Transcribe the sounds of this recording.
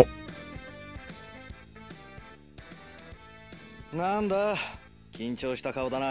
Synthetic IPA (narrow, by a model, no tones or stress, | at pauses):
nand̪a | kʲĩɲt͡ɕo̞ːɕi̥t̪akaod̪ana